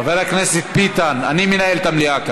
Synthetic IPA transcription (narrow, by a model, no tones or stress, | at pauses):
avelakneset̪̚pit̪ana̰nimenaelt̪amliaka